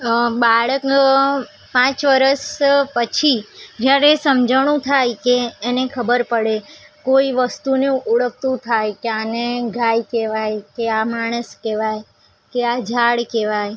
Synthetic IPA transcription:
baɭək | pãt͡ʃʋəɾəspət͡ʃʰid͡ʒjaɾesəmd͡ʒəʋɳ̃ũt̪ʰajkeːnekʰəbəɾpəɽekoiʋəst̪uneuɭək̚t̪ũt̪ʰajkeaneɡʱajkeʋajkeamaɽ̃əskeʋaj | kead͡ʒʱaɭkeʋaj

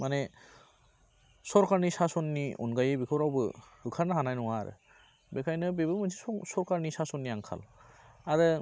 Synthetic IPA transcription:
mane | sɔɾkaɾnisasɔnːiɔ̰nɡajebikʰɔwɾawbɯhɯkʰaɾnaɦanajnɔwa̰ɾɯ̰ | bekʰajnɯbebɯmɯnziɔsɔɾkaɾnisasɔnːiaŋkʰa̰laɾɯ

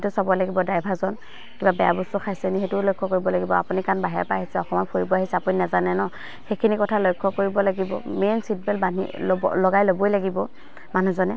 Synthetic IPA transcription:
tʊsabɔjlaɡibɔdajbʱazɔn | kibabɛja̰bɔstɔkʰajsɛniɦetʊlojkʰːɔkoɹibɔlaɡibɔa̰punikanbaɦɛpaaɦisɛɔxɔmɔnpʰoɹibɔaɦisɛapuninazanɛnɔ | xekʰinikɔtʰalojkʰːɔkoɹibɔlaɡibɔ̰mensit̚bɛlbanḭlɔɡajlobojlaɡibɔ | manuzɔnɛ

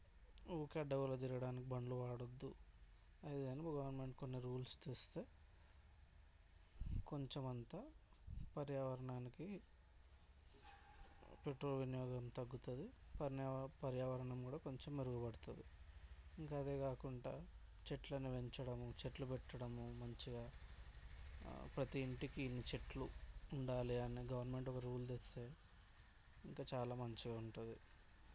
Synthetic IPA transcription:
uːkɐɖːɐɡulod͡ʒ̪iɾiɡɐɽaːnikibɐɳɖluʋaːɽod̪ːu | ɐjd̪ɐnipuɡɐʋɐɾnme̞ɳʈko̞nːiɾuːlst͡ʃ̪eːst̪eː | ko̞ɲt͡ʃemɐnt̪a | pɐɾjaʋɐɾɐɳaːniki | pe̞ʈɾoːlʋinjɔːɡɐmt̪ɐɡːut̪ɐd̪ipɐpɐɾjaːʋɐɾɐɳɐmkuːɽaːko̞ɲt͡ʃemːeɾuɡubɐɽut̪ud̪iiŋkaːd̪eːkaːkuɳɖaː | t͡ʃeʈlɐniʋe̞ɲt͡ʃɐɽɐmut͡ʃeʈlupɛʈːɐɽɐmumɐɲt͡ʃiɡaː | pɾɐt̪iːɳʈikiːnːit͡ʃe̞ʈluːɳɖaːliɐniɡɐʋɐɾnme̞ɳʈɔkɐɾuːld̪est̪e̞ː | iŋkaːt͡ʃaːlaːmɐɲt͡ʃiɡaːuɳʈund̪i

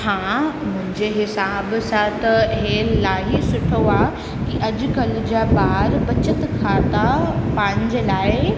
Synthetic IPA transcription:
hãːmʊ̃ɦɪ̃ɲd͡ʑeɦɪsaːbsãt̪ɐɦeːllaːɦisʊʈʰoaː | kiʔɐd͡ʑʊ̆ɡɐld͡ʑaːbaːɾpɐt͡ɕət̪kʰaːt̪apãːɲd͡ʑlaːɪ

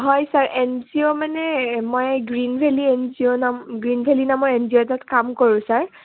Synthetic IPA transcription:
ɦɔjsaɹʔɛnziomanɛmojɡɹinbʱɛliɛnzionamɡɹinbʱɛlinamɔjɛnziotatkamkoɹʊ̃saɹ

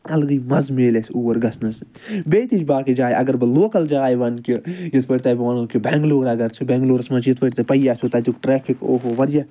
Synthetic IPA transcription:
ɐlɡɐjmɐzmeːlesʰuːwɐɾɡɐsnɐs | beːt̪it͡ʃʰbaːkid͡ʒaːjʔɐɡɐɾbɨloːkɐld͡ʒaːjʋɐnkijit̪ʰʋɐʈʲt̪ɐbʋɐnoːkibɛŋɡloːɾɐɡɐɾt͡ʃʰibɛ̃ːŋɡloːɾɐsmɐnt͡ʃʰjit̪ʰʋɐʈʲt̪ɐpɐjaːt͡ʃʰoːt̪ɐt̪ukʈɾɛːpʰiko̰ːɦoʋɐɾjɐ

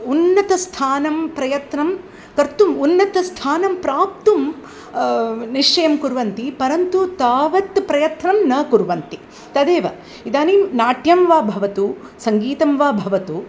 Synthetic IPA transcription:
unːɐt̪ɐst̪ʰaːnɐmpɾɐjɐt̪nɐm | kɐɾt̪umunːɐt̪ɐst̪ʰaːnɐmpɾaːp̚t̪um | niʂt͡ʃɐjɐmkuɾʋɐnt̪ipɐɾɐnt̪ut̪aːʋɐt̪pɾɐjɐt̪nɐmnɐkuɾʋɐnt̪i | t̪ɐd̪eːʋɐ | id̪aːninaːʈjɐmʋaːbʱɐʋɐt̪u | sɐŋɡiːt̪ɐmʋaːbʱɐʋɐt̪u

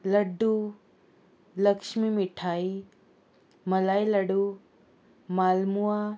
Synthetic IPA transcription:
lɐɖu | lɐksmimiʈʰaj | mɐlajlɐɽu | malmuwa

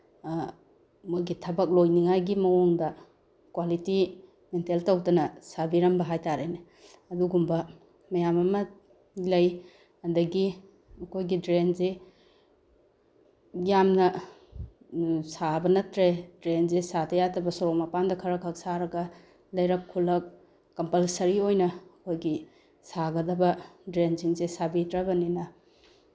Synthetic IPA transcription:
mujɡitʰɐbɐk̚lojniŋajɡimɐwoŋdɐ | kwaliti | menteltɐwdɐnɐsabiɾɐmbɐɦajtaɾejne | ɐduɡumbɐ | mɐjamɐmɐ | lɐj | ɐdɐɡi | ɐkʰojɡidɾenze | jamnɐ | sabɐnɐtɾedɾenzesatʰɐjatɐbɐsoɾɔkmɐpandɐkʰɐɾɐkʰɐk̚saɾɐɡɐ | lɐjɾɐkʰːulɐk̚ː | ɐmpɐlsɐɾiojnɐɐkʰojɡi | saɡɐdɐbɐdɾenziŋzesabitɾɐbɐninɐ

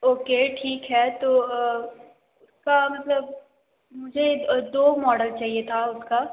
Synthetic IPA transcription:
oːkeːʈʰiːkɦɛːt̪oː | ʊskamɐt̪ləb | mʊd͡ʒʱed̪oːmɔːɖəlt͡ʃaːɦiet̪ʰaʊska

